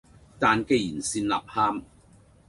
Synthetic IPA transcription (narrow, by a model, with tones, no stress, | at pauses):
t̪aː˨nke˧jiː˨˩nsiː˧nla̰ː˨p̚haː˥m